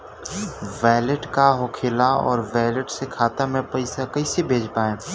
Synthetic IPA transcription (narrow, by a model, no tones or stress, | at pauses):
ʋɛːləʈkaɦʊkʰɪːlaɔ̰ːɾʋɛːləʈsekʰaːt̪amẽpɐɪsakɐɪsebʱeːd͡ʒpaːẽː